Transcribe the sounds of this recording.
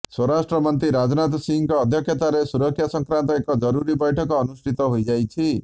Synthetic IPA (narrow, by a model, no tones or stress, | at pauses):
swɔɾasʈɾɔmɔnt̪ɾiɾad͡ʒɔnat̪ɔsiŋkɔːd̪ʱjɔkʰjɔt̪aɾesuɾɔkʰːjasɔŋkɾant̪ɔekɔd͡ʒɔɾuɾibɔjʈʰɔkɔːnusʈʰit̪ɔɦojd͡ʒajt͡ʃʰi